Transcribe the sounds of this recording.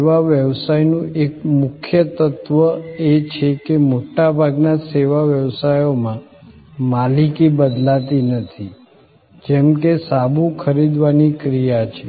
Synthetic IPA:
ʋaʋjəʋsajnũekmʊkʰjət̪ət̪ʋəet͡ʃʰekemoʈabʱaɡnaseʋaʋjəʋsajomãmalikibəd̪lat̪inət̪ʰi | d͡ʒɛmkesabʱũkʰəɾid̪ʋanikɾijat͡ʃʰe

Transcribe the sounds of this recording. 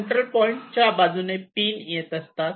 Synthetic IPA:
ɳʈ̪ɾəlpɔiɳʈt͡ɕjabad͡zunepiːnjet̪əst̪at̪

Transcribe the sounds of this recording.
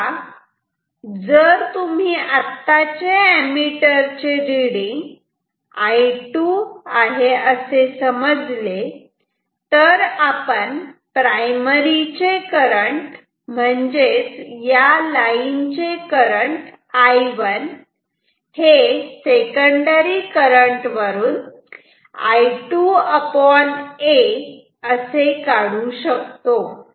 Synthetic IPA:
d͡zəɾt̪um̤iːʔat̪ːat͡ɕeemiʈəɾt͡ɕeɾiɽiŋɡ | ajʈuaɦeəsesəməd͡zle | t̪əɾapəɳpɾajməɾit͡ɕekəɾəɳʈ | m̤əɳd͡zet͡sjalaint͡ɕekəɾəɳʈ | ajʋən | hesekəɳɖəɾikəɾəɳʈʋəɾuːn | a̰jʈuəpɔne | əsekaɽuɕəkt̪o

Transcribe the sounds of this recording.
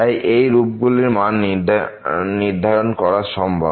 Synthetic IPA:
ajʔejɾup̚ɡuliɾman | niɾd̪ʱaɾonkɔɾaɾʃɔmbʱa̰

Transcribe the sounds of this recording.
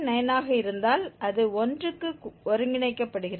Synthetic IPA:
nɐjɐnaːɣɐɪɾɯnd̪aːlʔɐðɯɔndrɯkːɯɔɾɯŋɡɪɳɐɪkːɐpːɐɽɯɣɪrɐ

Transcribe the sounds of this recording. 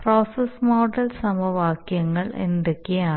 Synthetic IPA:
proːsesmoːɖɐlsɐmɐʋaːkjɐŋːɐɭend̪ekːejaː

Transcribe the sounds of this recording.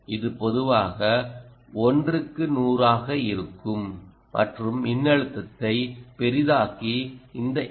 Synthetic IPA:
ʔɪðɯpɔðɯʋaːɣɐ | ɔndrɯkːɯnuːɾaːɣɐɪɾɯkːɯm | mɐ̰ʈrɯmːɪnːɐɻɯt̪ːɐt̪ːɐɪpɛɾɪðaːkiɪnd̪ɐ

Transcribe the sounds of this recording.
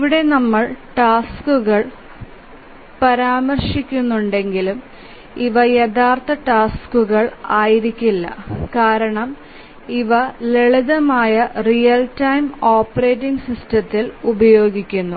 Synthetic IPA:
iʋiɽe̞nɐmːɐɭʈaːskuɣɐɭ | pɐɾaːmɐrʂikʲːunːuɳɖe̞ŋɡilum | iʋɐjeðaːrt̪ɐʈaːskuɣɐɭaːjiɾikʲːilːɐ̰kaːɾɐɳɐm | iʋɐleɭiðɐmaːjɐrijɐltɐjmoːpːɐreːtːiŋɡsistɐt̪ːilubɐjo̞ːɡikʲːunːu

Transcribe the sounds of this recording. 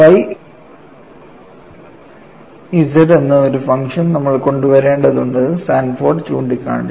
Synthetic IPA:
ʋɐj | isɐɾenːɨoɾufɐŋʂɐnnɐmːɐɭko̞ɳɖuʋɐɾe̞ːɳɖɐðuɳɖɨsaːnfoːrɖt͡ɕuːɳɖikʲːa̰ːɳɖ

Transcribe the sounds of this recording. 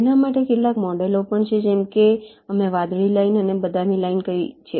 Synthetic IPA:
enamaʈekeʈlakmɔɖelopəɳt͡ʃʰed͡ʒemke | əmeʋad̪ɭilainənebəd̪ʱamilainkəit͡ʃʰe

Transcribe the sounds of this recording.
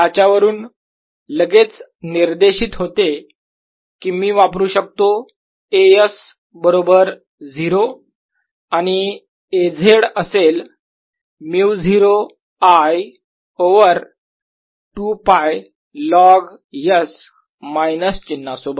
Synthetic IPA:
jat͡ɕaʋəɾuːn | ləɡet͡sniɾd̪eɕiːt̪ɦot̪e | kiːmiːʋapɾuːɕək̚t̪o | ejəs | bəɾobəɾ | d͡zʱiɾo | aɽ̃i | ed͡zʱeɽəsel | miwd͡zʱiɾo | aj | oʋəɾ | ʈupaj | lɔɡ | jəs | majnəst͡ɕinːasobət̪

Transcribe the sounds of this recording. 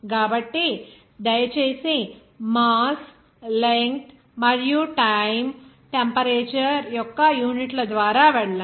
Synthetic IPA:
ɡabɐʈːi | d̪ɐjt͡ɕesĩ | mas | leŋkt̪ | mɐɽjuʈajm | ʈempəɾet͡ɕɐɾjɔkːajuːniʈlɐd̪ʋaːɾaʋɛɽla

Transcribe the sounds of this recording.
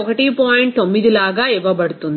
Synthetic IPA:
ɔkɐʈipaːjiɳʈt̪omːiðilaːɡɐiʋɐbɐɽut̪ːund̪i

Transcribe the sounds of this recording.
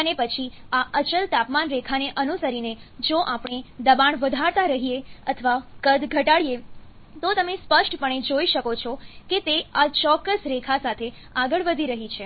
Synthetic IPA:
ənepət͡ʃʰiaʔət͡ʃəlt̪apmanɾekʰaneʔənusəɾined͡ʒoʔapɳ̃ed̪əbaɳʋəd̪ʱaɾt̪aɾəɦieət̪ʰəʋakəd̪ɡʱəʈaɭije | t̪ot̪əmespəʃʈpəɳ̃ed͡ʒoiʃəkot͡ʃʰɔket̪eat͡ʃɔkːəsɾekʰasat̪ʰe | aɡəɭʋəd̪ʱiɾəɦit͡ʃʰe

